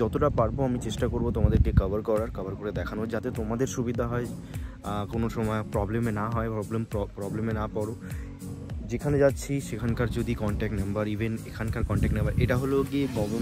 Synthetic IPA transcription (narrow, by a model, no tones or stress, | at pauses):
d͡ʒɔt̪oʈapaɾboamit͡ɕeʃʈakoɾbot̪omad̪eɾkekɐbaɾkɔɾaɾkɐbaɾkoɾed̪ɛkʰanod͡ʑat̪et̪omad̪eɾʃubid̪ʱaɦɔe | konoʃɔmɔepɾɔblemenaɦɔepɾɔblemppɾɔblemenapɔɽo | d͡ʑekʰaned͡ʑatːɕʰiʃekʰankaɾd͡ʑod̪ikɔɳʈɛk̚ʈnambaɾibʱenekʰankaɾkɔɳʈɛk̚ʈnembaɾʔeʈaɦoloɡiɡɔmo